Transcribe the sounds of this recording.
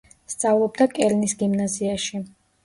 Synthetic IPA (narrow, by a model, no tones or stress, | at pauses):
st̪sʼavlˠɔb̚d̪akʼɛɾnisɡimnaziaʃi